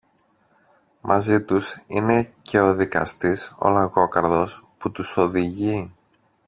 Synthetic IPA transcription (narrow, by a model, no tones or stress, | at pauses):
mʔɐzit̪usine̞ce̞o̞ðikɐ̰st̪iso̰lɐɣo̞kɐɾðo̞sput̪uso̞ðiʝi